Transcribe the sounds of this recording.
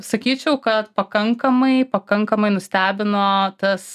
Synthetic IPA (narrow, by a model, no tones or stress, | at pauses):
sɐkʲiːt͡ʃʲɛʊkɐt̪pɐkɐŋkɐmɐɪpɐkɐŋkɐmɐɪnʊsʲt̪ʲæːbʲɪnoːt̪ɐs